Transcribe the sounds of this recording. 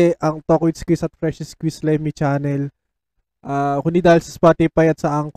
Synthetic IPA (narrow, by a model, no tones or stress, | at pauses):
ɛʔɐŋt̪okwɪt̪skwisɐt̪̚fɾɛʃɪskwislɛmit͡ʃaːnɛl | ʔaːkʊnid̪aːhɪilsɐ̥spaːt̪ipɐjɐt̪̚sɐʔaŋk